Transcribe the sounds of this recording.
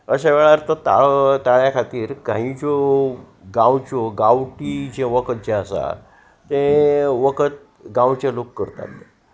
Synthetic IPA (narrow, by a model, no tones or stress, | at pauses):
əɕaʋɛɭaɾt̪ət̪a̰ɭt̪aɭjakʰat̪iːɾkãɦĩd͡zo | ɡãwt͡ɕoɡawʈid͡ʑẽʋəkʰət̪̚d͡ʑẽəsa̰ | t̪ẽʋəkʰət̪̚ | ɡãwt͡ɕalokːəɾt̪a̰t̪e